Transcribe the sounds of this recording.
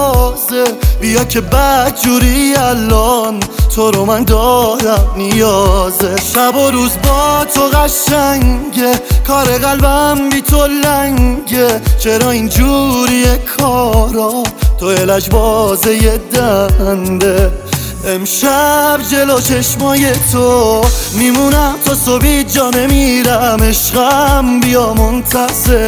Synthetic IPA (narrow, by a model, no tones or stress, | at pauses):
zebijɒːkʰe̞bæd̪d͡ʒuːɾiælːɔnt̪ʰoɾomænd̪ɒːd̪æmnijɒːzeʃæboɾuːzbɒːt̪ʰoɣæʃæŋɟekʰɒːɾeɣælbæmbit̪ʰolæŋɡet͡ʃʰeɾɒːind͡ʒuːɾijekʰːɒɾɔt̪ʰoelæd͡ʒbɔːzejed̪ænd̪e | emʃæbd͡ʒe̞lot͡ʃʰeʃmɒːje̞t̪ʰomimunæmt̪ʰɔːsobiːt̪̚d͡ʒɒːne̞miɾæme̞ʃɣæmbijɒmont̪ʰæse